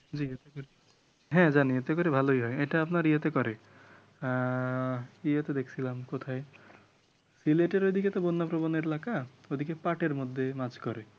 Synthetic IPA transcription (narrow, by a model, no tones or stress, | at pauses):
d͡ʑiet̪ekɔɾe | ɦɛ̃d͡ʒaniet̪ekɔɾebʱalojɦɔjeʈaapnaɾiet̪ekɔɾe | iet̪ed̪ekʰi̥t͡ʃʰilamkot̪ʰae | sileʈeɾod̪ʱiket̪ebonːapɾoboneɾelakaod̪ʱikepaʈeɾmod̪ʱːemat͡ʃkɔɾe